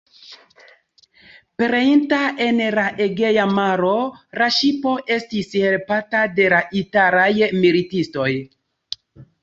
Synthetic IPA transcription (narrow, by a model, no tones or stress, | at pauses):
peɾeintaʔe̞nlaʔeɡe̞jamaɾo̞ɾaʃipo̞ʔe̞stishe̞lpatade̞laʔitaɾajmilitisto̞j